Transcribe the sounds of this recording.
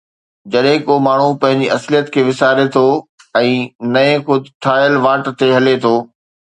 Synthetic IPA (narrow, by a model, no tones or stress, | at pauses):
d͡ʑɐɗɦɪ̃komaːɳ̤upɐ̃ɦɪ̃ɲd͡ʑiɐslijət̪kʰeːʋɪsaːɾet̪ʰoː | ɛ̃ːnɐẽxʊd̪ʱɪt̪ʰaːjəlʋaːʈt̪eɦɐlet̪ʰoː